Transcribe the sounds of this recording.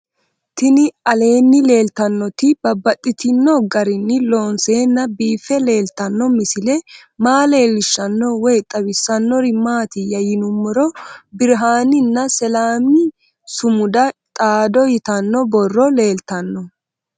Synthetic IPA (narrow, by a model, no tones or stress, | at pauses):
t̪ɪnɪɐle̞ːnːɪle̞ːlt̪ɐnːɔt̪ɪbɐbːɐt̪ʼːɪt̪ɪnːɔɡɐɾɪnːɪlo̞ːnseːnːɐbiːfɛle̞ːlt̪ɐnːɔmɪsɪlɛmaːle̞ːlɪʃːɐnːɔwɔjt̪ʼɐwɪsːɐnːɔɾɪmaːt̪ɪjɐjɪnʊmːɔɾɔbɪɾɦaːnɪnːɐsɛlaːmɪ | sʊmʊd̪ɐt̪ʼaːd̪ɔjɪt̪ɐnːɔbɔrːɔle̞ːlt̪ɐnːɔ